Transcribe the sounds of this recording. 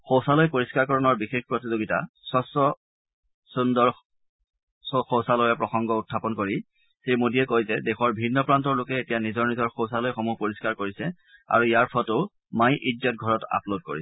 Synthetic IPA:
xowsalɔjpoɹiskaɹkɔɹɔnɔɹbixexpɹotizoɡita̰ | sɔsɔ | sundɔɹ | xowsalɔjɛpɹɔxɔŋɡɔʊtʰːapɔnkoɹi | xemodiɛkojzɛdɛxɔɹbʱinːɔpɹantɔɹlʊkɛetijanizɔɹnizɔɹxowsalɔjxomupoɹiskaɹkoɹisɛ | a̰ɹuijaɹpʰɔtʊ | majʔid͡ʒɔtɡʱɔɹɔta̰plod̚ko̰ɹiɛ

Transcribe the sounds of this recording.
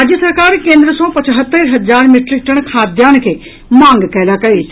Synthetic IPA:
aːd͡ʑjəsɐɾkaːɾkẽːnd̪ɾəsɔpɐt͡ʃɦət̪ːəɾɦɐzaːɾmɪʈɾik̚ʈəɽ̃kʰaːd̪jaːñkʰeː | mãːŋɡkɐɦlakɐeː

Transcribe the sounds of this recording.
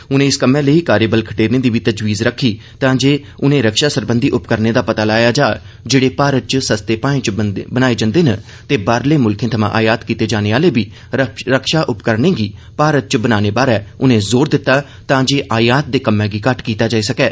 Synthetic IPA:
ʊnẽːɪskəmːɛ̃ːləiːkaːɾeːbəlkʰəʈeːɾnẽːd̪iːbiːt̪əd͡ʒʋiːzɾəkʰːiː | t̪ãːd͡ʒeː | ʊnẽːɾəkʃaːsəɾbə̃nd̪iːʔʊpkəɾneːd̪aːpət̪aːlaːjaːd͡ʒaː | d͡ʒeːɽeːpaːɾət̪̚t͡ʃsəst̪eːpaːẽːt͡ʃbənaːeːd͡ʒə̃nd̪eːnə | t̪eːbaːɾleːmʊlkʰẽːt̪ʰəmã̰ːʔaːjaːt̪kiːt̪eːd͡ʒaːneːaːleːbiː | ɾəkʰʃaːʔʊpkəɾnẽːɡiː | paːɾət̪̚t͡ʃbənaːneːbaːɾɛːʊnẽːzoːɾd̪ɪt̪ːaː | t̪ãːd͡ʒeːʔaːjaːt̪̚d̪eːkəmːɛ̃ːɡiːkəʈkiːt̪aːd͡ʒaːiːsəkɛː

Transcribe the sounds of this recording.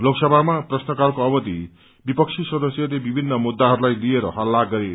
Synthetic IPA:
loksʌbʱamaprʌsnʌkalkoʌbʌd̪i | bipʌk̚t͡sʰisʌd̪ʌsjʌlebibʱinːʌmud̪ːaɦʌɾulajlieɾʌɦʌlːaɡːʌɾe

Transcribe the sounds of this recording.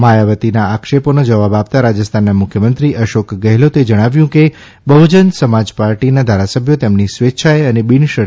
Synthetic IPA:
majaʋət̪inaakʃeponod͡ʒəʋabapt̪aɾad͡ʒəst̪ʰanːamʊkʰjəmənt̪ɾiʔəʃokɡəɦlot̪ed͡ʒəɽ̃aʋjũke | bəud͡ʒənsəmad͡ʒpaɾʈinad̪ʱaɾasəbʱjot̪emnisʋetːʃʰajənebiɳʃə

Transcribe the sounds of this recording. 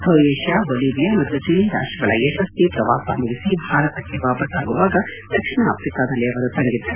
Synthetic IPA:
b̪ʰʱɐʋeːʂjaːboːliːbijaːmɐt̪ːut͡ʃiliɾa̰ːʂʈɾɐɡɐɭɐeʃɐst̪ipɾɐʋa̰ːpɐ̰muɡisibʱaːɾɐt̪ɐkːeʋaːpɐsaːɡuʋaːɡɐd̪̥ɐkʂɳɐa̰ːpʰɾikaːd̪ɐleɐʋɐɾut̪ɐŋɡid̪ːe

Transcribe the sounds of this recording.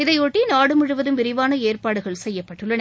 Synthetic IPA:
ɪðɐɪoːʈːinaːɽɯmɯɻɯʋɐðɯmʋɪɾɪʋaːnɐeːrpaːɽɯɣɐɭsɛjːɐpːɐʈːɯɭːɐn

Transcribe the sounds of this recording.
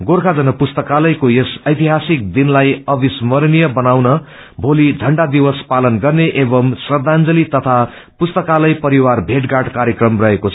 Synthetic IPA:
ɡoɾkʰad͡zʌnʌpust̪ʌkalʌjkojesʌjt̪iɦasik̚d̪inlajʌbismʌrnijʌbʌnawnʌ | bʱolid͡zʱʌɳɖad̪iwʌspalʌnɡʌrneʔebʌmsʌrd̪and͡zʌlit̪ʌt̪ʰa | pust̪ʌkalʌjpʌɾiwarbʱeʈɡaʈkaɾjekrʌmrʌɦekot͡sʰʌ

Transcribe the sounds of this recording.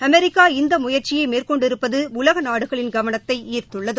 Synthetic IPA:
ɐmɛɾɪkːaːɪnd̪ɐmʊjɐɾt͡ʃɪjɐɪmeːrkɔɳɖɪɾɯpːɐðɯʊlɐɣɐnaːɽɯɣɐɭɪnɡɐʋɐnɐt̪ːɐɪiːrt̪ɯɭːɐðɯ

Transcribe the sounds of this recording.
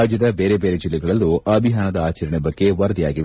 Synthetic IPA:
aːd͡ʒjɐd̪ɐbe̞ːɾe̞be̞ːɾe̞d͡ʒilːɛɡɐɭɐlːuɐbʱiɦaːnɐd̪ɐaːt͡ʃɐɾɐɳɛbɐɡːe̞ʋɐɾɐd̪ijaːɡi

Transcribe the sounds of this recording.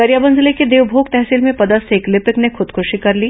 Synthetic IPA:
ɐɾjabɐ̃nzleked̪eːwbʱoːɡ̚t̪ɛɦsiːlmẽpɐd̪əseklɪpɪknexʊd̪kʰʊʃikɐɾliː

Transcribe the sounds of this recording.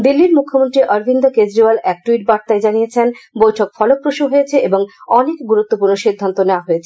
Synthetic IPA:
d̪ilːiɾmukʰːomont̪ɾiʔɔɾbʱind̪aked͡ʑɾiwalɛk̚ʈuiʈ̚baɾt̪aed͡ʑanijet͡ɕʰenbojʈʰok̚fɔlok̚pɾoʃuɦojet͡ɕʰeʔeboŋɔnekɡuɾut̪ːopuɾnoʃid̪ʱːant̪oneoaɦojet͡ɕʰ

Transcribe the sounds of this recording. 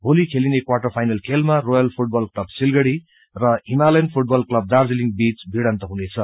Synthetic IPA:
bʱolikʰelinekwaʈʌrpʰajnʌlkʰelmarojʌlpʰuʈ̚bʌlklʌbsilɡʌɽi | rʌimalʌjnpʰuʈ̚bʌlklʌb̚d̪ard͡ziliŋbit͡sbʱiɽʌnt̪ʌɦunet͡sʰʌ

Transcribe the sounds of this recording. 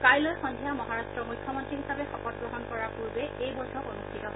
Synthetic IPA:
kajlɔjxɔndʱijamɔɦaɹastɹɔmujkʰjɔmɔntɹiɦisapɛxɔkɔt̚ɡɹɔɦɔnkɔɹapuɹbɛejbɔjtʰɔkonustʰitɔɦɔ

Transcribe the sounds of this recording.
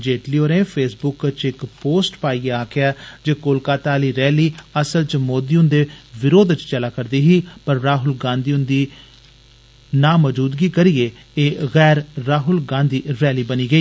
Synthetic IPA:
d͡ʒeːʈlioːɾẽːpʰeːsbʊkt͡ʃɪkpoːsʈpaːiːeaːkɪjaːd͡ʒeːkolkaːt̪aːliːɾɛːliːəsəlt͡ʃmoːd̪iːʊnd̪eːʋɪɾoːd̪t͡ʃt͡ʃəlaːkəɾd̪iːɦiːpəɾːaːɦʊlɡãːnd̪iːʊnd̪iː | nãːməd͡ʒuːd̪ɡiːkəɾieː | eːɣɛːɾːaːɦʊlɡãːnd̪iːɾɛːliːbəniːɡəiː

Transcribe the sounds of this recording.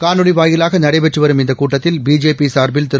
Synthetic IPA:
kaːnɯɽɪʋaːjɪlaːɣɐnɐɽɐɪpɛʈrɯʋɐɾɯmɪnd̪ɐkuːʈːɐt̪ːɪlbiːd͡ʒeːpisaːɾbɪlt̪ɪɾ

